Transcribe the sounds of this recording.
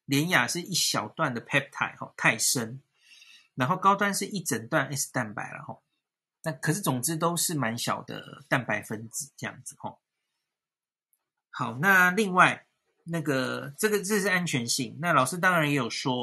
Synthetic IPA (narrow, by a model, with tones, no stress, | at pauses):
ljɛ˧˦nja˨˩ʂɻ̩˥˧ʔi˥˩ɕjɑ˨˩ʊt̪wa˥˨˩nd̪ə˩pʰɛ˥p̚t̪ʰa̰˨˩ɪxɔ̰˨˩t̪ʰa˥˩ɪʂə˦˥n | na˧˥nxo˥˩ʊkɑ˥ʊt̪wa˥˧nʂɻ̩˥˧ʔi˥˩ʈ͡ʂə˨˩nt̪wa˥˩na˥ɪʂ̩˥˧t̪a˥˩npa̰˧˥˦ɪlə̰˨xɔ̰˥˩ | na˥˩kʰɤ˨˩ʂ̬ɻ̩˥˩t͡sʊ˨˩ŋt͡sɻ̩˥˦t̪̬o˥ʊʂɻ̩˥˩ma˧˦nɕjɑ̰˨˩ʊd̪ə̰˧˩t̪a˥˩npa˧˥ɪfə˦˥nt͡sɹ̩˨˩˦ʈ͡ʂɤ˥˧jɑ̰˥˩ŋd͡z̩˨˩xɔ̰˨˩ | xɑ˨˩ʊna˥˧li˥˧ŋwa˥˩ɪ | na˥˩ɡə˩ʈ͡ʂɤ˥˩ɡə˨˩ʈ͡ʂə˥˧ʂɻ̩˥˩a˥nt͡ɕʰɥɛ˧˦nɕi˥˩ŋna˥˩˨lɑ˨˩ʊʂɻ̩˥t̪̬ɑ˥ŋɻa˧njɛ˧˥jo˨˩ʂwɔ˦